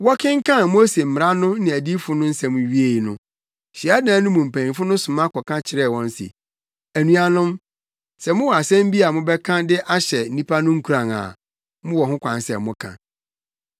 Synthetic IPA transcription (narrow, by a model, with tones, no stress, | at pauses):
wɔ˦kʰɪ̃˦ŋ̩˦kʰã˦˨mo˦se˨m̩˨m˨ɾa˦nʊ̃˦nɪ̃˨æ˨di˦fʊ˦nʊ̃˦n̩˦sɛ˨mʊ̃˨ɥi˦e˨i˨nʊ̰̃˦ | ɕi˨a˦dãː˨˦nʊ̃˦mũ˨m̩˨pʰæ̃˨ĩ˨fʊ˦nʊ̃˦sʊ̃˨mã˦kʰɔ˨kʰã˦t͡ɕʰɪ˨ɾɛ˦˨wɔ̃˦n̩˦sḭ˨ | æ˨nũ˨a˨nʊ̃˦m | sɛ˨mʊ̃˦wɔ˨a˨sɛ̃˦m̩˦bi˦a˨mʊ̃˦bɛ˦kʰã˦dɪ˦ʔa˦ɕɛ˨n̩˦ĩ˦pʰa˦nʊ̃˦ŋ̩˦kʰu˨ɾã˨ŋa̰˨ | mʊ̃˦wɔ˨ɦʊ̃˦kʷʰã˨n˦sɛ̰˨mʊ̃˦kʰã̰˨